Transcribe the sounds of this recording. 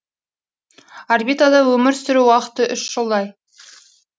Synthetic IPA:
arbit̪ad̪ɑwɵmɪɾsɪɾuwɑqə̥t̪əʔʏʃʒ̥əlˠd̪ɑj

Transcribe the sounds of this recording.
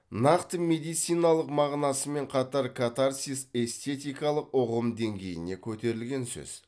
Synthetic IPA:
nɑqt̪əme̞d̪ijt̪sɨjnɑlˠəqmɑʁnɑsəme̞ɴqʰɑt̪ɑɾkʰat̪aɾsise̞st̪ʲe̞t̪ijkɑlˠəqqoʁəmd̪e̞ŋɡʲe̞jɪ̰ne̞kʲʰɵt̪e̞ɾɪlɡʲe̞nsɵ̰z̥

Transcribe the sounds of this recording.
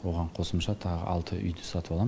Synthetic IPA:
wo̞ʁɑɴqʰo̞səmʃɑt̪ʰɑʁə̰ʔɑlˠt̪ʰəʔʏ̰jd̪ɪsɑt̪əpɑlˠɑ

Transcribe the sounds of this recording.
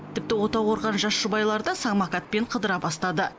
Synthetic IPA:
t̪ʰɪp̚t̪ɪwo̞t̪ɑwo̞ɾʁɑnʒɑsʒʊbɑjlˠɑɾd̪ɑsɑɴmɑkat̪̚pe̞ɴqʰəd̪əɾɑbɑst̪ɑd̪ə

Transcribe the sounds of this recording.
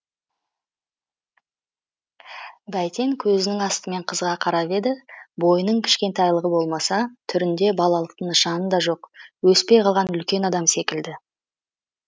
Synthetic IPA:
bæjt̪e̞ŋkʲʰɵzɪnɪŋɑst̪əme̞ɴqʰəzʁɑqʰɑɾɑpe̞d̪ɪbo̞jənəɴkʲʰɪ̥ʃkʲe̞nt̪ɑjlˠəʁəbo̞lˠmɑsɑt̪ʰʏɾɪnd̪e̞bɑlˠɑlˠəq̚t̪əɴəʃɑnənd̪ɑʒo̞qwɵspe̞jqʰɑlˠʁɑnʏlkʲe̞nɑd̪ɑmse̞kʲɪld̪ɪ

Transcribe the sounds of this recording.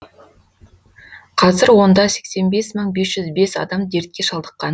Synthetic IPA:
qʰɑzɪɾwo̞nd̪ɑse̞kse̞nbe̞sməɴbe̞sʒ̥ʏzbe̞sɑ̰d̪ɑmd̪e̞ɾt̪̚kʲe̞ʃɑlˠd̪əqːɑn

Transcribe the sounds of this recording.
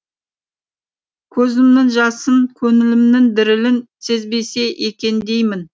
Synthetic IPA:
kʲʰɵzɪmnɪŋʒɑsənkʲʰɵŋɪlɪmnɪŋd̪ɪɾɪlɪnse̞zbe̞se̞ʔekʲe̞nd̪e̞jmɪn

